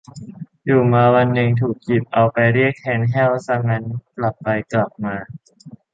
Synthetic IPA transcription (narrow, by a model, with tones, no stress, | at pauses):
juː˨˩maː˧wa˧nːɯ˧ŋt̪ʰuː˨˩k̚ːi˨˩p̚ʔa˧wpa˧jɾi˥˩ək̚t̪ʰɛː˨˦˥nɦɛː˥˩wsa˧˥ŋa˧nkla˨˩pːa˧jkla˨˩p̚maː˧